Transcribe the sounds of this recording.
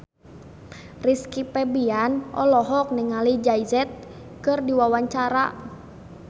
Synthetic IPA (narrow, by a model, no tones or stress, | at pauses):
riskipɛbianɔlɔɦɔk̚nɛŋalid͡ʒaizɛt̪̚ | kɨrdiwawaɲt͡ʃaɾa̰